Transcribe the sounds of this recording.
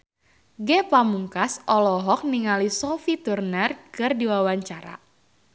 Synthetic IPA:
ɡɛpamuŋkasʔɔlɔɦɔk̚niŋalisɔfit̪urnərkɨrdiwawaɲt͡ʃaɾa̰

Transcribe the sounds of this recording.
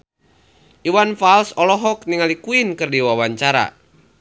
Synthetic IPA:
ʔiwanfalsɔlɔɦɔkniŋalikuinkɨrdiwawaɲt͡ʃaɾa̰

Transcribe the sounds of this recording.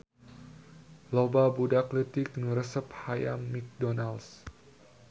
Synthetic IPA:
lobabudaklət̪ik̚nɾəsəphaja̰mːik̚dɔnals

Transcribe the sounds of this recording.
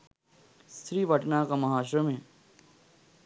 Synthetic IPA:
st̪ɾiːʋʱɐʈnakamɐɦaːʃ̬ɾəmẽː

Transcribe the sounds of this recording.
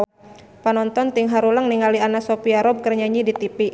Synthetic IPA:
panɔnt̪ɔnt̪iŋɦaɾulaŋniŋalianasɔpiaɾɔb̚kərɲaɲidit̪ipi

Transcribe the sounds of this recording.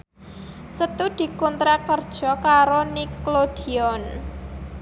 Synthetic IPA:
sət̪ud̪̥i̤kunt̪ɾakərd̥ʒ̥ɔ̤kaɾoniklod̪̥iɔn

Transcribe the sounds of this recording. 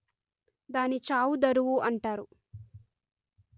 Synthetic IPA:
d̪aːnit͡ʃaːwud̪ɐɾuwuʔɐɳʈaːɾu

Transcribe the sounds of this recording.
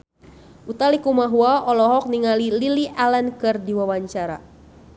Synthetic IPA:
ʔut̪alikumaɦuaʔɔlɔɦɔk̚niŋalililiʔalɛnkɨrdiwawaɲt͡ʃaɾa̰

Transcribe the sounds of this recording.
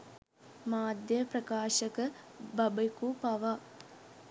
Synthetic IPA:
maːd̪jɐpɾɐkaːʃɐkɐbɐbɐkupɐʋa

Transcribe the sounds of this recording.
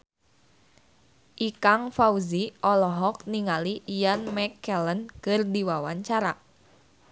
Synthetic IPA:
ʔikaŋfauziʔɔlɔɦɔk̚niŋalijanmɛkːɛlənkɨrdiwawaɲt͡ʃaɾa

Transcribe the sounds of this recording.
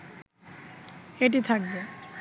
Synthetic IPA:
eʈ̬it̪ʰak̚be

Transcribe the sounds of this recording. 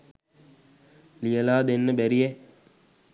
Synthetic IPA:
lijəlaːd̪enːəbæɾijɛ

